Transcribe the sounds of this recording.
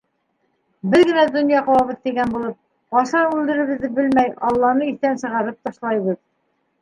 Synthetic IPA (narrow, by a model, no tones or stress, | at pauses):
bɘðɡɘ̆næd̪ŏnjɑqɑ̆wɑβɤðt̪iɡænbulˠɤp̚ | bɑʃɑʉld̪ɘ̆ɾɘ̆βɘ̆ðːɘbɘlmæjɑlˠːɑnɤiθt̪ænsɤ̆ʁɑɾɤp̚t̪ɑʃlˠɑjβɤð